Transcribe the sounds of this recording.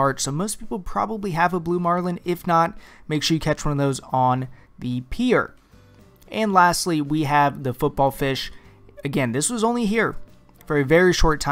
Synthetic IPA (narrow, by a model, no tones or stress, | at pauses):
ɑɹtsoʊmoʊspʰipl̩ˠpʰɹ̥ɑ̰bəbliɨvəblumɑɹlˠɨ̃nɪfnət̚meɪkʃɨkʰæt͡ʃwʌ̃nʌvðoʊzn̩ | ðɨpʰiɹ | ʔɨ̃nlæstˡliwiɨvðɨfʊt̚b̥ɔlˠfɪʃɨɡɛ̃nðɪswʌzõʊ̃nliɦiɹ | fə˞ɨvɛɹiʃɔɹtʰã